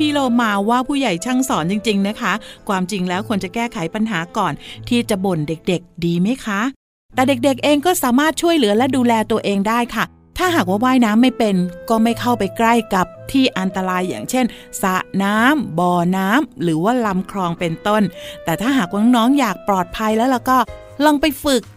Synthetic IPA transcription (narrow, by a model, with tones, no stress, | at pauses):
iː˥˩loː˧˩maː˧waː˥˩pʰuː˥˩ja˨˩jt͡ɕʰa˥˩ŋsɔː˩˦nt͡ɕi˧ŋt͡ɕi˧ŋna˦˥kʰa˦˥kʰwaː˧mt͡ɕi˧ŋlɛː˦˥wkʰo˧nt͡ɕa˨˩kɛː˥˩kʰa˩˦jpa˧nɦaː˩˦kɔː˨˩nt̪ʰiː˥˩t͡ɕa˨˩bo˨˩nde˨˩k̚de˨˩k̚diː˧ma˦˥jkʰa˦˥ | t̪ɛː˨˩de˨˩k̚de˨˩k̚ʔeː˧ŋkɔː˥˩saː˩˦maː˥˩t̪̚t͡ɕʰu˥˩əjlɯ˩˦ɐlɛ˦˥duː˧lɛː˧t̪u˧ɐʔeː˧ŋdaː˥˩jkʰa˥˩ | t̪ʰaː˥˩ɦaː˨˩k̚waː˥˩waː˥˩jnaː˦˥mːa˥˩jpe˧nkɔː˥˩ma˥˩jkʰa˥˩wpa˧jkla˥˩jka˨˩p̚t̪ʰiː˥˩ʔa˧nt̪a˧ɾaː˧jːa̰ː˨˩ŋt͡ɕʰe˥˩n | sa˨˦naː˦˥mbɔː˧naː˦˥mɾɯː˩˦waː˥˩la˧mkʰɾɔː˧ŋpe˧nt̪o˥˩nt̪ɛː˨˩t̪ʰaː˥˩ɦaː˨˩k̚waː˥˩nɔː˦˥ŋjaː˨˩k̚plɔː˨˩t̪̚pʰa˧jlɛː˦˥wlɛː˧˥˩wkɔː˥˩ | lɔ˧ŋpa˧jfɯ˨˩k̚